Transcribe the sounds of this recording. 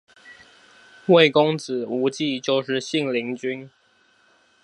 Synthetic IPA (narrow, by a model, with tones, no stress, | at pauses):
we˥˩ɪkʊ˥ŋt͡sɹ̩˨˩˦u˧˥t͡ɕi˥˧t͡ɕjo˥˧ʊʂɻ̩˥˧ɕi˥˨ŋli˧˥ŋt͡ɕy˥n